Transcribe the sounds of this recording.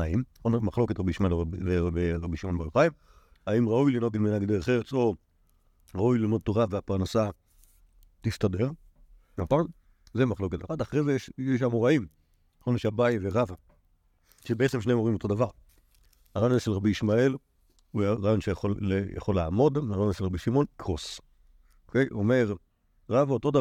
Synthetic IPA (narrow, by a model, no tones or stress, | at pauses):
aimonmaχlo̞ketʁabiʃmaelvebeʁabiʃimonbeloχajim | aimʁaujlino̞t̬imenaɡdeeχeʁet͡so | ʁaujlimod̪̚t̪oʁaveapaʁnasa | t̪istade̞ʁ | memapaʁ | zemaχlo̞ketaʁadaχʁejzejeʃeʃ̬amoʁaim | axoneʃeabajiveʁava | ʃebeet͡semʃneimoimo̞todavaʁ | haʁajozaʃelʁabiiʃmae̞l | uaʁajo̞nʃejaχolja̰χolːeaamo̞dmaʁajnʃelʁabiʃimo̞nkʁos | okejʔomeezo | ʁavaotoda